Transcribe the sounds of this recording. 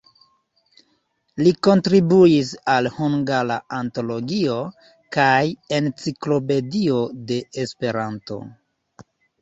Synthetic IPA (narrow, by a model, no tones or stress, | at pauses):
liko̞ntɾibuisalhuŋɡalaanto̞lo̞ɡio̞ | kaje̞nt͡siklo̞pe̞dio̞de̞espe̞ɾanto̞̰